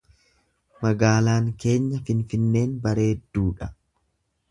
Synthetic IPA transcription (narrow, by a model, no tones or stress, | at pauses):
mɐɡaːlaːŋke̞ːɲːɐfɪnfɪnːe̞ːnbɐɾe̞ːd̪ːuːᶑɐ̥